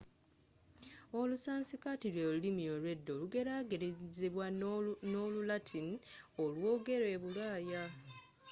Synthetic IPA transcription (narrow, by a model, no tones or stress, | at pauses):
o̞lusaːnsikatilweːlulimiolwe̞dːo̞ːluɡe̞ɾaːɡeɾeziβwanolulatʰin | olwo̞ːɡe̞ɾe̞ːβulaːja